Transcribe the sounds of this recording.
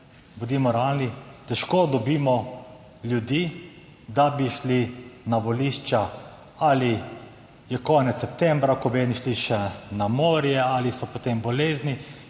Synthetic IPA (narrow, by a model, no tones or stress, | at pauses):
bud̪iːmɔɾalit̪ɛʃkoːd̪ɔbiːmɔ | lʲjud̪iː | d̪abiʃlinaʋɔliʃt͡ʃa | ali | jɛkɔːnɛt̪ssɛp̚t̪ɛ̃mbɾakɔbɛːniʃliʃɛnamoːɾjɛalisɔpot̪embɔleːzni